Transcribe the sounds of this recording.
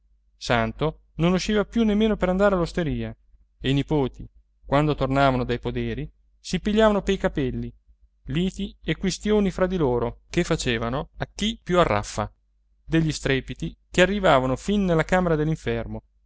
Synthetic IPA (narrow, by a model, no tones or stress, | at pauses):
sant̪o | nonuʃːiːvapjunːemːeːnopeɾand̪aːɾealːost̪eɾiːa | einipoːt̪i | kwand̪ot̪ornaːvanod̪ajpod̪eːɾi | sipiʎːaːvanopeijkapɛlːi | liːt̪iekwest̪joːnifɾad̪iloːɾokefːat͡ʃeːvanoakːipːjuarːʔa̰fːa̰ | d̪eʎːist̪ɾɛːpit̪ikearːivaːvanofinːelːakaːmeɾad̪elːiɱfɛrmo